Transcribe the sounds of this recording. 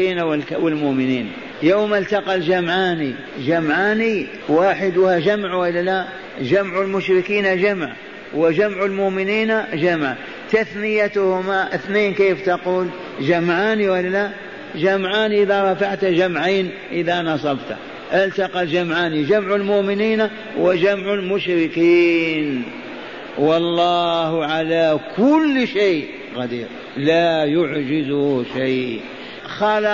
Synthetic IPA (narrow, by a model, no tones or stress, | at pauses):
iːnawlwɪlmʊʔmɪniːn | jawmalt̪ɑqɑld͡ʒamʕaːni | ʒamʕaːni | waːħɪd̪waʒamʕwɪlːala | ʒamʕʊlmʊʃɾɪkiːnaʒamʕ | wɪʒamʕʊlmʊʔmɪniːnaʒamʕa | t̪aθnɪjat̪ʊhʊmaʔɪθneːnkeːft̪ɑquːl | ʒamʕaːniwalːala | d͡ʒamʕaːnʔɪðaɾˤɑfaʕt̪ad͡ʒamʕeːn | ʔɪðanɑsˤɑbt̪a̰ | ʔɪlt̪aqɑd͡ʒamʕaːnid͡ʒamʕalmʊʔmɪniːn | wɪd͡ʒamʕalmʊʃɾɪkiːn | wɑlˤːɑːhʕalakʊlːʃeː | ɣad̪iːɾ | laːjʊʕd͡ʒɪzʊʃej | xaːl